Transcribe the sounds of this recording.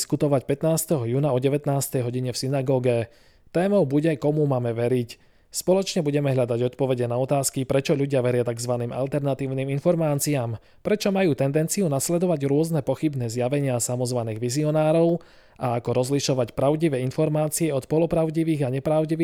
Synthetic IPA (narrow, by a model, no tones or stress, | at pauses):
skut̪ɔʋacpɛt̪naːst̪ɛɦɔjuːnaɔɟɛʋɛt̪naːst̪ɛjɦɔɟiɲɛfsinaɡɔːɡɛ | t̪ɛːmɔʊbuɟɛkɔmumaːmɛʋɛɾic | spɔlɔt͡ʃɲɛbuɟɛmɛɦʎad̪aɟɔt̪pɔʋɛɟɛnaɔt̪aːskipɾɛt͡ʃɔʎuɟɪaʋɛɾɪat̪aɡzʋaniːma̰lt̪ɛɾnat̪iːʊniːminfɔɾmaːt͡siaːm | pɾɛt͡ʃɔmajuːt̪ɛnd̪ɛnt͡siunaslɛd̪ɔʋaɟɾʊɔznɛpɔxibnɛzjaʋɛɲɪasamɔzʋaniːɣʋiziɔnaːɾɔʊ | ʔaakɔɾɔzliʃɔʋacpɾaʊɟiʋɛinfɔɾmaːt͡siɛɔt̪pɔlɔpɾaʊɟiʋiːɣaɲɛpɾaʊɟiʋː